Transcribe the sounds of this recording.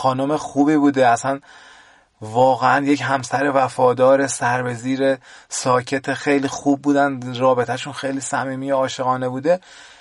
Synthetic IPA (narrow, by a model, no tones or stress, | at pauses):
xɒːnomexuːbiːbuːd̪eæsæn | vɒːɣeænjecɦæmsæɾe̞væfɒːd̪ɒːɾe̞sæɾbe̞ziːɾesɒːcʰe̞t̪ʰexe̞jliːxuːb̚ːuːd̪ænd̪rɒːbe̞t̪ʰæʃunxejliːsæmiːmijeɒːʃeɣɒːne̞buːd̪e̞